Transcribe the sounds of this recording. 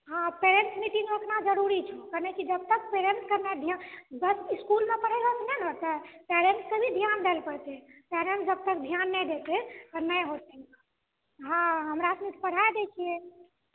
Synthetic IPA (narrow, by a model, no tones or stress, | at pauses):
ɦãpeɾeɳsmiʈĩŋɡmeek̪nad͡ʒəɾuɾit͡ʃʰɛkənekid͡ʒəb̚t̪ək̚peɾeɳskəɾned̪ʱjabəsiskulmepəɽ̤ɛlbət̪nɛnɦot̪ɛpeɾenskəbʱid̪ʱjand̪elpəɾt͡ʃ̪ɛpeɾensd͡ʒəb̚t̪əkd̪ʱijanːɛd̪et̪ɛənəjɦot̪ɛ | ɦãɦəmɾasmit̪pəɽ̤ajd̪et͡ʃʰije